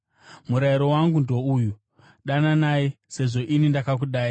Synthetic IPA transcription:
muɾaiɾo̞waŋɡundo̞uju | ɗananajise̞ʐo̞ʔinindakakuɗaːi

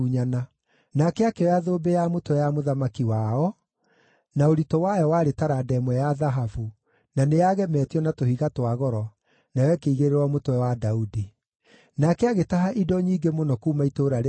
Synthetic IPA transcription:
uɲana | nakɛakɛɔjaðoːbejamotowɛjamoðamakiwaɔ | naoɾitɔwajɔwaɾetaɾadɛmwɛjaðaɦavu | nanejaɣɛmɛːtiɔnatohiɣatwaɣɔɾɔ | najɛkeiɣeɾeɾwamotowɛwadaudi | nakɛaɣetaɦaʔidɔɲiːɡemonɔkuːmaitoɾaɾe

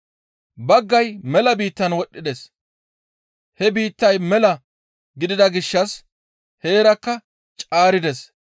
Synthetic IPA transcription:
bɐɡːɐjmɛlɐbiːt̪ːɐnwɔɗːɪd̪ɛs | hɛbiːt̪ːɐjmɛlɐ | ɡɪd̪ɪd̪ɐɡɪʃːɐs | he̞ːɾɐkːɐ | t͡ʃʼaːɾɪd̪ɛs

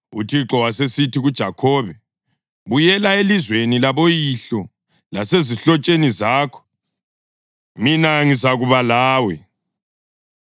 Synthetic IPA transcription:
utʰiǁɔwasesitʰiɣud̥ʒ̥ʱakʰɔːβɛ | βujɛlaelizwenilaβojiɬɔ | laseziɬɔt͡ʃʼenizaːkʰɔ̥ | minaŋizaɣuβalaːwɛ

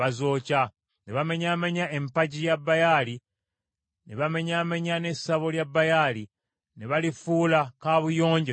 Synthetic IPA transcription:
azo̞ːca | ne̞βame̞ɲaːmeɲae̞mpaɟijabːajaːli | ne̞βame̞ɲaːmeɲane̞sːaβo̞ljabːajali | ne̞βalifuːlakaβujo̞ːɲɟe

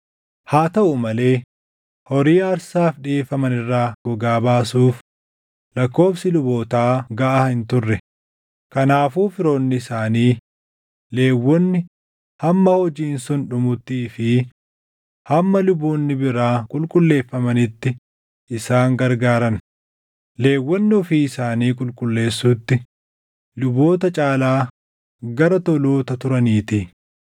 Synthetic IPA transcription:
haːt̪ɐʔʊmɐle̞ː | hɔɾiːɐɾsaːfᶑɪeːfːɐmɐnɪrːaːɡ̥ɔɡaːbaːsuːf | lɐkːo̞ːfsɪlʊboːt̪aːɡɐʔahɪnt̪ʊrːɛ | kɐnaːfuːfɪɾoːnːɪɪsaːniː | le̞ːwːɔnːɪ | hɐmːɐhɔd͡ʒiːnsʊnᶑʊmʊt̪ːiːfɪ | hɐmːɐlʊboːnːɪbɪɾaːkʼʊlkʼʊlːe̞ːfːɐmɐnɪt̪ːɪ | ʔɪsaːŋɡɐɾɡaːɾɐn | le̞ːwːɔnːɪɔfiɪsaːniːkʼʊlkʼʊlːe̞ːsːuːt̪ːɪ | lʊbo̞ːt̪ɐt͡ʃʼaːlaː | ɡɐɾɐt̪ɔloːt̪ɐt̪ʊɾɐniːt̪i

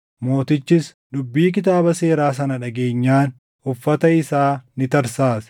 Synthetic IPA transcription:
mo̞ːt̪ɪt͡ʃːɪs | dʊbːiːk̬ɪt̪̬aːbɐse̞ːɾaːs̬ɐnɐᶑɐɡeːɲːaːn | ʔʊfːɐt̪ɐɪsaːnɪt̪ɐɾsaːs

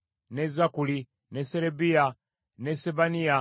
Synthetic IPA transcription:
nɛzakuli | nɛsɛɾɛbia | nɛsɛbania

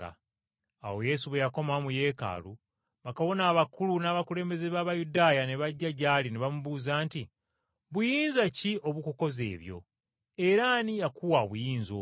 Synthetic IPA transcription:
a̰ | awo̞je̞suβejako̞mamuje̞ːka̰ːlu | βakaβo̞naːβakulunaːβakule̞ːmbe̞ze̞βaːβajudajane̞βaɟːaɟaːlineβamuβuːzaːnti | βujiːnzaciʔo̞βukuko̞ze̞̰ːβjo̞̰ | e̞ɾanijakʰuwaβujiːnzoː

